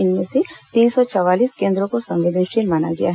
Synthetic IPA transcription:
ɪnmẽset̪iːnsɔt͡ʃɔʋaːliːskẽːnd̪ɾõkosɐ̃mʋɪd̪ənʃenmana̰ɡɐja̰ɦ

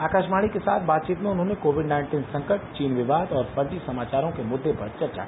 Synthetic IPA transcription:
aːkaːʃmaːɭikesa̰ːt̪ʰbaːt̪̚t͡ʃiːt̪mẽʊnɦõːnẽkoːʋɪɖnãːɪ̃ɳʈiːnsɐ̃ŋkəʈt͡ʃiːnʋɪʋaːd̪ɔːɾpɐɾd̪isɐmaːt͡ʃaːɾõkemʊd̪ʱːepɐɾt͡ʃɐɾt͡ʃa̰

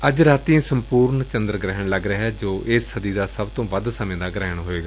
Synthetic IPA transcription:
əd͡ʒɾaːt̪ĩːsəmpuːɾɳt͡ʃənd̪ɾɡɾɛɦəɳləɡɾəɦɛːd͡ʒoːʔɪːsːəd̪iːd̪aːsəbt̪õːʋəd̪səmẽːd̪aːɡɾɛːɦəɳɦoːeːɡaː

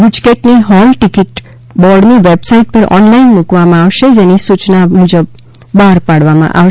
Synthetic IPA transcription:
but͡ʃkeʈniɦɔlʈɪkɪʈ | bɔɖniʋebsaiʈ̚pəɾɔ̰nlainmukʋamãaʋʃed͡ʒenisut͡ʃnamud͡ʒəb̚ːaɾpaɽʋamã̰ʔa

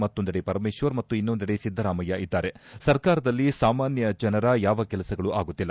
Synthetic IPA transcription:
mɐt̪ːund̪ɐɽepɐɾɐmeːʃʋɐɾmɐt̪ːuinːund̪ɐɽesid̪ʱɐɾaːmɐjɐʔid̪ːaːɾe̞sɐɾkaːɾɐd̪ɐlːisaːmaːnjɐd͡ʒɐnɐɾɐjaːʋɐkɛlɐsɐɡɐɭuʔaːɡut̪ːilːɐ

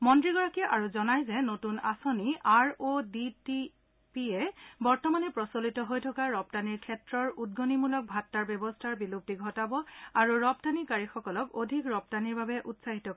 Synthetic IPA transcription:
mɔntɹiɡɔɹakiʔaɹuzɔnajzɛnotunasoniaɹoditi | piɛbɔɹtɔmanɛpɹɔsolitɔɦojtʰɔkaɹɔptaniɹkʰɛtɹɔɹudɡonimulɔk̚bʱatːaɹbjɛbɔstʰaɹbilup̚tiɡʱɔtabɔaɹuɹɔp̚tanikaɹixɔkɔlɔkodʱikɹɔp̚taniɹbʱabɛʔutsaɦitɔ

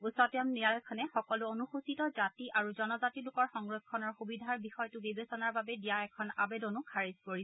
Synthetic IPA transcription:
usɔtjɔmniɹajɔkʰɔnɛxɔkɔluonuxusitɔzatiʔaɹuzɔnɔzatilʊkɔɹxɔŋɹɔkʰːɔnɔɹxubidʱaɹbixɔjtʊbibesɔnaɹbabɛdijaɛkʰɔna̰bedɔnukʰaɹizkoɹisɛ

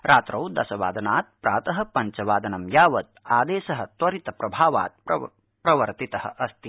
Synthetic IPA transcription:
ɾʔaːt̪ɾɐwd̪ɐ̰sɐʋa̰ːd̪ɐnaːt̪̚pɾʔaːt̪ɐɦɐ̆pɐɲt͡ʃɐʋaːd̪ɐnɐmjaːʋɐt̪̚aːd̪eːʃɐɦɐ̆t̪wɐɾit̪ɐpɾɐbʱaːʋa̰ːt̪̚pɐ | pɾɐʋɐɾt̪it̪ɐhɐ̰̆ʔɐst̪i

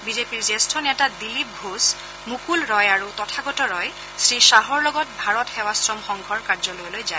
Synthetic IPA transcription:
bizepiɹzɛstʰɔnɛtadilip̚ɡʱus | mukulɹɔjaɹutɔtʰaɡɔtɔɹɔj | sɹiʃaɦɔɹlɔɡɔt̚bʱaɹɔtxɛwasɹɔmxɔŋɡʱɔɹkaɹzɔlojlojzaj

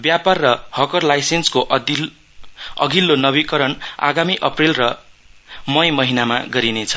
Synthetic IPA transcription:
bjaparːʌhʌkʌrlajsenskoʔ | ʌ̰ɡʱilːonʌβikʌɾʌna̰ɡamiʔʌprelrʌ | mʌjmʌɦinamaɡʌɾinet͡sʰʌ̥

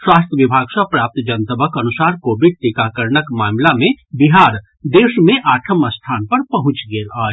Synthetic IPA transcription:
swaːst̪ʰəʋɪbʱaːɡsɐpɾaːp̚t̪d͡ʒɐnt̪əbəkɐnʊsaːɾkoːbɪɖ̚ʈikakəɾɳəkmaːmlamẽbiɦaːɾ | d̪eːʃmẽʔaːʈʰəməst̪ʰaːnpɐɾpɐɦʊ̃t͡ʃɡeːlaːe

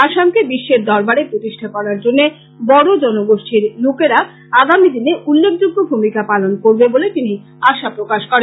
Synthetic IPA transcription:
aʃamkebiʃːeɾd̪ɔɾbaɾepɾot̪iʃʈʰakɔɾaɾd͡ʑonːe | bɔɽod͡ʑɔnoɡoʃʈʰiɾlokeɾa | aɡamid̪ineʔulːek̚ʰd͡ʑuɡʱːobʱumikapalonkoɾbebolet̪ini | aʃapɾokaʃkɔɾenn

